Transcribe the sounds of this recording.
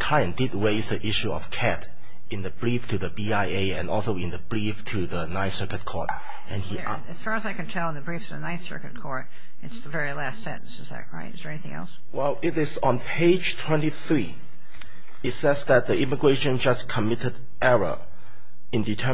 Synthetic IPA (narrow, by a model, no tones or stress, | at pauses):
kʰaɪə̃ndɪd̚ɹeɪzðiʔɪʃuɔ̰fkʰæt | ɪ̃nðəbɹiftʰɨðəbiaɪeɪɛ̃nɔlˠsoɪ̃nðəbɹiftʰuðənaɪθsɜkət̚kʰɔ̰ɹt | ɛ̃ni | ɨz̥fɑɹəzaɪkɨ̃ntʰɛlˠə̃nðəbɹiftʰɨðɨ̰naɪθsɜ̰˞kɨt̚kʰɔɹt | ɨtsðəvɛɹilæstsɛ̰̃ʔn̩sɨzðæ̰t̚ɹa̰ɪtɨzðə˞ɛniθɪ̃ɛ̰lˠs | wɛlɪɾɪz̃n̩pʰeɪd͡ʒtʰw̥ɛ̃ntiθɹi | ɪtsɛzðæt̚ðiɪməɡɹeʃə̃nd͡ʒaskʰəmɪtəd | ɛɹə̰ | ɪ̃nditʰə